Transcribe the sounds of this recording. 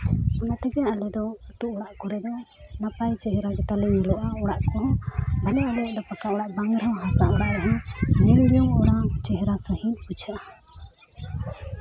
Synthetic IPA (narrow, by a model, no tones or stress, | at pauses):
ɔnat̪ɛɡɛjaalɛd̪ɔ | ut̪uʔɔɽaʔkɔɾɛd̪ɔ | mapajt͡ʃɛɦɛɾaɡɛt̪alɛwilɔʔaɔɽaʔkɔɦɔbalɛalɛʔd̪ɔpakaɔɽaʔbaŋɾawɦasaʔɔɽaʔɾɛɦanɛɾɾjɔŋɔɾat͡ʃɛɦɛɾasɔhilut͡ʃʰaʔa